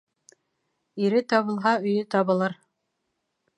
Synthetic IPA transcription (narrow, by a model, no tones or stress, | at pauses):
iɾɘt̪ɑβɤ̆lˠɦɑɵ̆jɵt̪ɑβɤ̆lˠɤɾ